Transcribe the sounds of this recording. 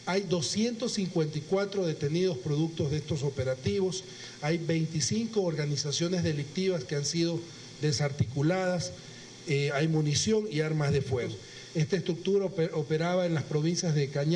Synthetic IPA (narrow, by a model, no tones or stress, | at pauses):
ajd̪o̞sje̞nt̪o̞sːiŋkwe̞nt̪ikwat̪ɾo̞ðe̞t̪e̞nið̞o̞spɾo̞ðuk̚t̪o̞zðe̞st̪o̞so̞pe̞ɾat̪iβo̞s | ajbe̞jnt̪isiŋko̞ːɾɣanisasjo̞ne̞zðe̞lik̚t̪iβaskeansiðo̞ | d̪e̞saɾt̪ikulaðas | ajmunisjo̞ŋiaɾmazðe̞fwe̞ɣo | e̞st̪aest̪ɾuk̚t̪uɾaope̞ɾaβae̞nlaspɾo̞βinsjazðe̞kaɲ